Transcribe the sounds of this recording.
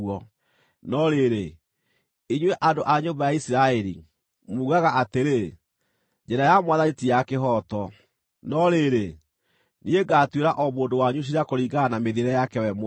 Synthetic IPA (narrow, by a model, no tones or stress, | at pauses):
ɔ | nɔɾeɾe | iɲwɛʔandoʔaɲombajaisiɾaɛɾḭ | muːɣaɣaʔateɾe | d͡ʑɛɾajamwaðanetijakeɦɔtɔ | nɔɾeɾe | nieɡaːtweɾaʔɔmoːndowaɲuɕ̬iɾeakoɾiːɡanameðeɾɛjakɛwɛm